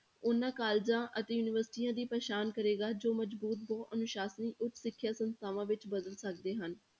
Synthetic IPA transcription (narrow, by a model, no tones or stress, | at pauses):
ʊnːãːkaːld͡ʒãːʔət̪eːjuːnɪʋəɾsɪ̥ʈiːjãːd̪iːpɾeːʃaːnkəɾeːɡaːd͡ʒoːməd͡ʒbuːt̪̚bɔːt̪ənʊʃaːsəniːʔʊt͡ʃ̪sɪkʰːjaːsənst̪ʰaːʋãːʋɪt͡ʃbəd̪əlsək̚d̪eːɦən